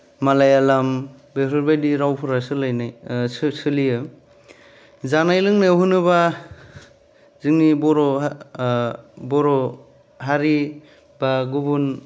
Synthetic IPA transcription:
malajalam | beɾɯɾbajdiɾawpʰuɾasɯlajnajsɯsɯlijɯ | zanajlɯŋnewɦɯnɯba | zɯŋnibɔɾɔ | bɔɾɔ | ɦaɾi | baɡubun

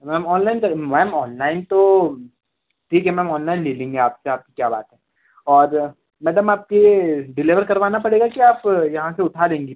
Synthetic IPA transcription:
mɛːmɔːnlaːɪnkɐɾmɛːmɔːnlaːɪnt̪o | ʈʰiːkɦɛmɛːmɔːnlaːɪnleːlẽːŋɡeaːpseaːp̚kikjaːba̰ːt̪ɦɛː | ɔːɾ | mɛːt̪əmaːp̚keɖɪlɪʋəɾkɐɾʋaːnapɐɽeːɡakiaːpjɐɦãseʊʈʰaːd̪ẽːŋɡiː

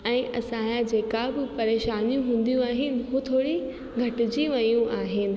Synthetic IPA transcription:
ɛ̃ːʔɐsãːad͡ʑeːkabɪpɐɾeːʃaːnijũɦũːn̆d̪ijũaːɦɪnɪ̆ɦut̪ʰoːɽi | ɡʱɐʈɪd͡ʑiʋɐjũʔaːɦɪnɪ̆

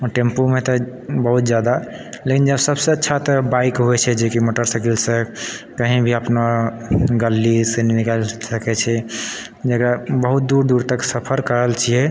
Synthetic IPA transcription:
ɔʈempomet̪ɔbəɦut̪̚d͡ʒjad̪a | lekind͡ʒəbsəbsə̃ətːʃʰat̪ɔbaikɦoɛt͡ʃʰɛd͡ʒekimoʈəɾsəkelsəkəɦĩbʱiəpna | ɡəlːiseninikalsəkɛt͡ʃʰɛ | d͡ʒekabəɦut̪̚d̪uɾd̪uɾt̪əksəpʰəɾkəɾəlt͡ʃʰijɛ

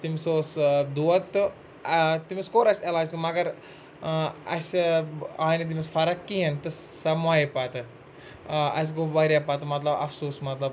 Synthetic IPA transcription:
t̪imsoːsd̪uɐt̪ːɨ | t̪imiskoːɾɐsʲelaːd͡ʒt̪ɨmɐɡɐɾ | ɐ̰s | aːjnit̪̬imisfɐɾɐkːient̪ɨsɐmajpat̪ɨ | ɐ̰s̬ɡobɐɾjapat̪ɨmɐt̪lɐbɐ̰fsoːsmɐt̪lɐb

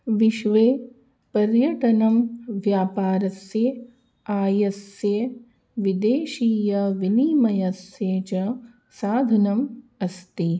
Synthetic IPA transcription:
ʋiʃʋeː | pɐɾjɐʈɐnɐmʋjaːpaːɾɐsje | aːjɐsje | ʋid̪eːʃiːjɐʋiniːmɐjɐseːt͡ʃɐ | saːd̪ʱɐnɐmɐst̪i

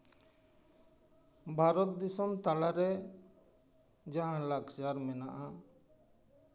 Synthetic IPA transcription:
bʱaɾɔt̪̚d̪isɔmt̪alaɾɛ | d͡ʒaɦãlaɡd͡ʒaɾmɛnaʔa

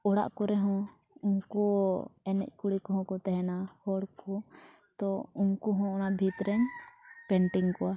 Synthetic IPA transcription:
ɔɽa̰ʔkɔɾɛɦɔ̃ | uŋkɔɛnɛ̰c̚ˀkuɽikɔɦɔ̃kɔt̪ɛɦɛnahɔɽkɔ | t̪ɔuŋkɔɦɔ̃ɔnabʱit̪ɾɛɲpɛɳʈiŋkɔwa

